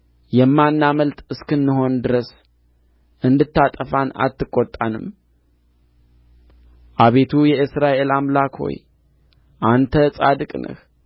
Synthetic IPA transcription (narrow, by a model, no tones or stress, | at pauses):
jɛmːanːaməlt̪ʼɨskɨnːɨɦo̞nd̪ɨɾəs | ʔɨnd̪ɨt̪ːat̪ʼəfana̰t̪ːɨkʼːot̪ʼːanɨm | ʔaβe̞t̪ʰujɛʔɨsɾaʔe̞lamlakʰho̞̰j | ʔant̪ʰəsʼad̪ɨkʼnʔə̰h